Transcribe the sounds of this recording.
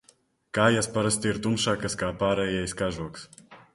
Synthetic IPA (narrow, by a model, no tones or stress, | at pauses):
kaːjaspaɾast̪ʲiiɾt̪umʃaːkaskaːpaːɾɛjɛjskaʒuɔks